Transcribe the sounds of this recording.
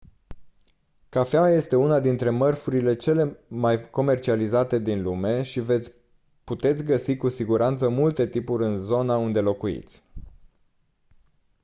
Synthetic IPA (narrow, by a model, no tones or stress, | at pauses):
kafeaje̞st̪e̞unad̪int̪ɾe̞mərfuɾile̞t͡ʃe̞le̞majko̞me̞rt͡ʃializat̪e̞d̪inlume̞ʃive̞ | put̪e̞t̪sʲɡəsikusiɡuɾant̪səmult̪e̞t̪ipuɾʲɨnzo̞naund̪e̞lo̞kuḭt̪sʲ